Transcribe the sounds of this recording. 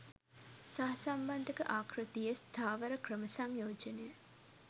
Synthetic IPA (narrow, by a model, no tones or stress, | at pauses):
saɦɐsamband̪ʱəkəʔaːkrut̪ijəst̪ʰaːʋəɾəkrəməsaŋjoːd͡ʒɐnejə